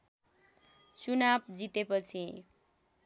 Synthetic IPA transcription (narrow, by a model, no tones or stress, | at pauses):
t͡sunab̚d͡zit̪epʌt͡sʰĩ